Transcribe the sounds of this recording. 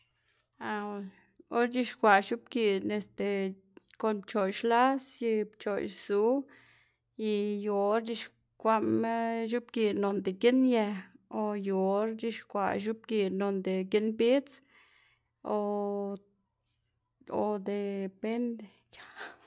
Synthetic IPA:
a˧ | o˦ɾd͡ʒi˧ʃkʷa˨ʃu˦b̚ɡi˧˨ɾne˨st̪e˨ | ko˧˨npt͡ʃo˨jʃla˦sji˧bt͡ʃo˨jsu˦ | i˧jo˧˨˧ɾd͡ʒi˧ʃ | kʷa˦m˦ʃ̬u˦bɡi˨ɾno˨nd̪e˨ki˦njɛ˧o˨jo˨o˧˦ɾd͡ʒi˦ʃkʷa˧˨ʃ̬u˦b̚ɡi˧˨ɾno˨nd̪e˨ki˦nbi˦t͡s | o˧ | o˧d̪e˨pe˦nd̪e˨ | ja˨

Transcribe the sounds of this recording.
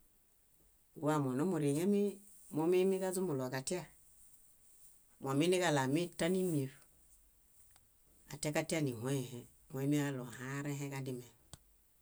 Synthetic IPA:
ɡu˦a˦˨mo˨no˦mu˨ɾi˨ŋe˦mi˦ | mo˦mi˦mi˦ka˦zu˦mu˨lo˨ka˨ti˦a˦˨ | mo˨mi˦ni˦ka˨la˨mi˦ta˦ni˦mi˨ɾ | a̰˨ta˦ka˦ti˦a˦ni˨hʷe˦˨he˨ | mo˨e˦mi˦a˦lo˨ɦã˦ɾe˦ɦe˦ka˦di˦me˨

